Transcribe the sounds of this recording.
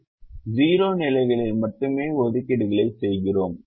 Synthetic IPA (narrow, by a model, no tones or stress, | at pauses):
ziːɾoːnɪlɐɪɣɐɭɪlmɐʈːɯmeːɔðɯkːɪɽɯɣɐɭɐɪsɛjɣɪroːm